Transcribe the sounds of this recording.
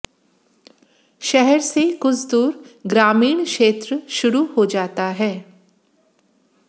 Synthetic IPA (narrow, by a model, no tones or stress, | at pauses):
ʃɛɦɛɾsekʊsʰd̪uːɾɡɾaːmiːɽ̃kʃeːt̪ɾəʃʊɾuhod͡ʒaːt̪aɦɛː